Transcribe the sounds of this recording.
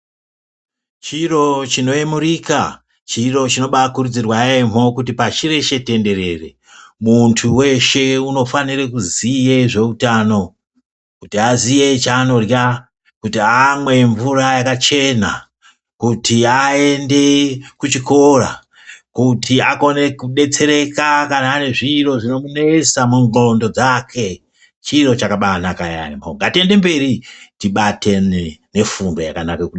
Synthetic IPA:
t͡ʃiro̞t͡ʃino̞emurika | t͡ʃiro̞t͡ʃino̞ɓakurud͡zirwaem̤o̞kut̬ipaʃire̞ʃe̞te̞nde̞re̞re̞̰ | muntʰuwe̞ʃe̞uno̞fanirekuzije̞ʐe̞utaːno̞ | kutiazije̞t͡ʃaːno̞rja | kutiamwe̞ɱvurajakat͡ʃe̞na | kutʰiae̞nde̞kut͡ʃiko̞ra̰ | kutʰiako̞ne̞kuɗe̞t͡se̞ɾe̞kakanaːne̞ʐiro̞ʐino̞mune̞samuŋo̞ndo̞d͡zakʰe̞ | t͡ʃiro̞t͡ʃakaɓanakajamoŋɡatie̞nde̞mbe̞ɾitiɓate̞ne̞fundo̞jakanakekuɗ

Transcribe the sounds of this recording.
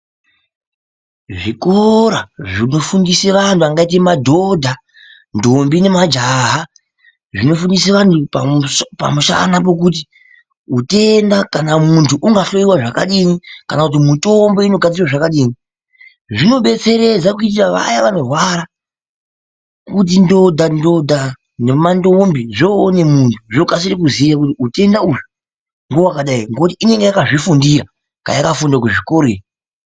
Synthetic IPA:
ʐikoɾaʐino̞fundiseʋantʰuaŋɡait̬emadʱo̞dʱa | ndombine̞mad͡ʒaɦa | ʐino̞fundiseʋantuppa̰muʃa̰nap̬o̞kut̬i | ute̞ndakanamuntʰuʔuŋɡaɬo̞iwaʐakaɗinikanakut̬imito̞mbo̞ino̞ɡʱad͡zirwaʐakaɗiːni | ʐino̞ɓe̞t͡se̞ɾe̞d͡zakuit̬iraʋa̰jaʋano̞rwaɾa | kut̬indo̞dʱando̞dʱa | nemandombiʐoːne̞muntʰuʐokas̬iɾikuzijak̬utiute̞ndauʐo | ŋɡowakaɗaiŋɡoutiʔine̞ŋɡejakaʐifundiɾa | ka̰jakafundak̬uʐikoɾe

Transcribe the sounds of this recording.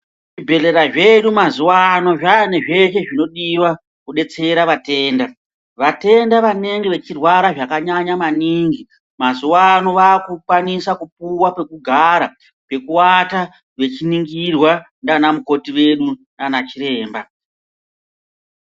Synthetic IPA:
ʐibʱe̞le̞ɾaʐe̞ɗumazuwano̞ʐane̞ʐe̞ʃe̞ʐino̞ɗiwa | kuɗe̞t͡se̞ɾaʋate̞ːnda | ʋate̞ndaʋane̞ŋɡeʋe̞t͡ʃirwaɾaʐakaɲaɲamaniːŋɡi | mazuwano̞ʋaːkukwanisakup̚uwape̞kuɡʱaɾa | pe̞kuwata | ʋe̞t͡ʃiniŋɡirwa | ndanamuko̞tiwe̞ɗunanat͡ʃiɾe̞ːmba

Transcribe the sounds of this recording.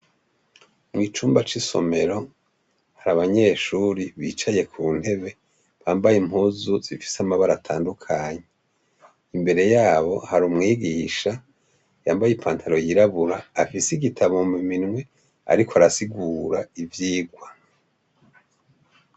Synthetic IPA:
mŋiːt͡ʃuːmbat͡ʃiso̞̰me̞ɾo̞ | haɾaβaɲe̞ʃuɾiβiːt͡ʃaje̞kʰuːn̥he̞βe̞ | βaːmbajem̥huːzuz̥ifi̥samaβaɾatʰaːndukʰaɲe | imbe̞ɾe̞jaːβo̞haɾumŋiːɡiːʃa | jaːmbajipʰaːntʰaɾo̞jiɾaβuɾaːfisiɡitʰaβomiminŋwe̞ | a̰ɾikʰoaɾasiɡuːɾaivjiːɡwa

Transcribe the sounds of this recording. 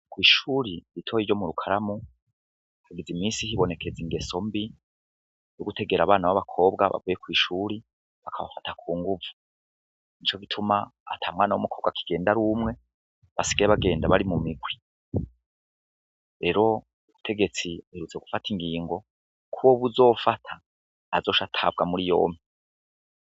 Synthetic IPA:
kwiːʃuːɾiɾitʰo̞jiɾɟo̞muɾukʰaɾamu | haɡizimiːsihiβo̞ne̞kʰe̞ziŋɡe̞so̞mbi | juɡute̞ɡe̞ɾaβaːnawaβakʰo̞ːb̚ɡa̰βa̰vujekwiːʃuːɾi | βakʰaβa̰fatakʰuːŋɡuvu̥ | nit͡ʃo̞ɡitʰumaːtʰaːmŋaːnawomukʰo̞ːβɡakʰi̥ɡ̥e̞ːndaɾumŋe̞ | βasi̥ɡaeβaɡe̞ːndaβaɾimumiɡwi | ɾe̞ɾo̞ | uβutʰe̞ɡe̞t͡siheɾut͡se̞ɡufatiŋɡiːŋɡo̞ | kʰuβoβuzo̞ːfatʰaː | zo̞ːʃatʰab̚ɡamuɾijo̞̰ːmi

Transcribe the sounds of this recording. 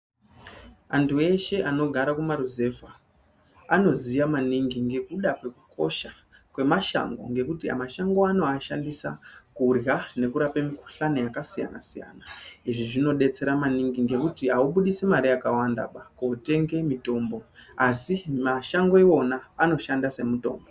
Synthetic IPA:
antʰue̞ʃe̞ʔano̞ɡʱaɾakumaɾuze̞va | ano̞zijamaniŋɡiŋɡe̞kuɗakwe̞kukʰo̞ʃa | kwe̞maʃa̰ŋɡo̞̰ŋɡe̞kutia̰maʃaŋɡo̞ano̞aʃandisa̰kurjane̞kuɾapemiku̥ɬanojakasija̰na̰sija̰naiʐiʐino̞ɗe̞t͡se̞ɾamaniŋɡiŋɡe̞kutiɦauɓuɗisemaɾiakawanda̰ɓakoute̞ŋɡe̞mito̞mbo̞asimaʃaŋɡoewo̞naːno̞ʃandase̞muto̞̰ːmbo

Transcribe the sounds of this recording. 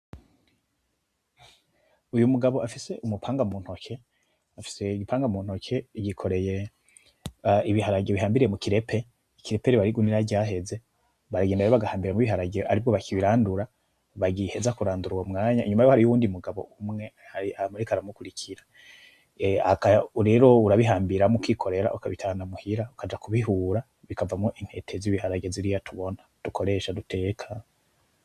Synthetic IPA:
ujumuɡaβo̞ʔafise̞ʔumupʰaːŋɡamuːn̥ho̞kʰe̞ | afi̥se̞iɡipʰaːŋɡamuːn̥ho̞kʰe̞iɟikʰo̞ɾe̞je̞ | iβihaɾaɟeβiɦaːmbiɾije̞mukiɾe̞pʰe̞ | ikiɾe̞pe̞ɾiβaɾiɡuniɾaɟaːɦe̞ze̞ | βaɾaɡendajoβaɡahaːmbiɾemuiβiɦaɾaɟeʔaɾibɡo̞βakʰiβiɾaːnduɾa | βaɡihe̞zakuɾaːnduɾuwomŋaːɲaiɲumajohaɾijuwuːndiumuɡaβo̞̰umŋe̞ | haiamuɾikaɾamukuɾikʰiɾa | akauɾe̞ːɾo̞uɾaβiɦaːmbiɾamukikʰo̞ɾe̞ɾa̰ʔukaβitʰanamuhiɾaukʰad͡ʒakuβiɦuːɾa | βikʰavamŋoʔiŋ̥he̞tʰe̞ziβihaɾaɡeziɾijatʰuβo̞nad̥ukʰoɾe̞ʃadutʰe̞kʰa

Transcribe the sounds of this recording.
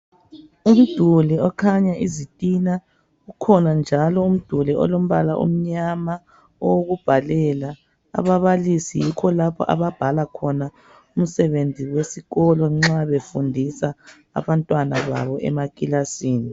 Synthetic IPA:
um̩d̥ʱuliɔkʰaɲaʔizitʼina | ɣukʰɔnand͡ʒʱalɔum̩d̥ʱuliɔ̰lom̩βalaʔṵm̩ɲama | ɔwoɣub̥ʱalɛla̰ː | βaβalisijikʰɔlapʰɔ̰ʔa̰βab̥ʱalakʰɔna | um̩sɛβend͡zʱiwesiɣɔlɔŋ͡ǁaβefundʱisa̰ː | βantʼwanaβa̰βɔʔɛ̰makʼilasiːni

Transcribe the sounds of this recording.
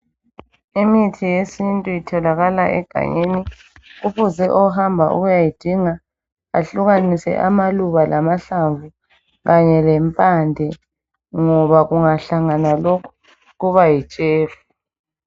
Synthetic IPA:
imitʰijesintʼujitʰɔlaɣalaʔɛ̰ɡ̥ʱa̰ɲeni | ɣuβuzɛʔɔɦambʱaʔṵɣujajid̥ʱiŋa | a̰ɬuɣanisɛ̰ʔa̰maluβalʔamaɬaɱvu | ɣaɲɛlɛmpʼandʱɛ | ŋɔβaɣuŋaɬaŋanalokʰu̥ | ɣuβajit͡ʃʼeːfu

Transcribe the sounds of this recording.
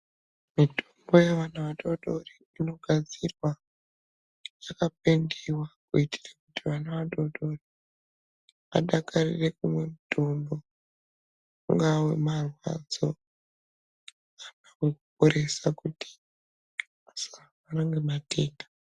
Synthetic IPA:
mitʰo̥mbo̞jeʋanaʋaɗo̞ɗo̞ri | ino̞ɡʱad͡zirwa | jakap̚endewakuiti̥rakutiʋanaʋaɗo̞ɗo̞ri | a̰ɗakʰarirekumwe̞mutʰombo̞ | ŋɡawe̞̰marwa̰d͡zo̞ | akawekupoɾe̞sakuti̥ | asaamanaŋɡemate̞ːnda

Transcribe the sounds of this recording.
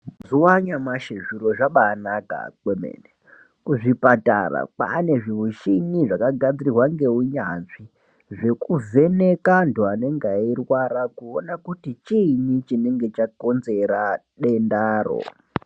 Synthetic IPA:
ziwaɲamaʃeʐiɾo̞ʐaɓaːnaka̰kwemḛːne | kuʐipata̰ra̰pa̰ne̞ʐiuʃiɲiʐakaɡʱad͡zirirwaŋɡe̞uɲanʐi | ʐe̞kuve̞ne̞kantuane̞ŋɡairwaɾakuonakutit͡ʃinit͡ʃine̞ŋɡe̞t͡ʃako̞nze̞ɾa | ɗe̞ndaːro̰

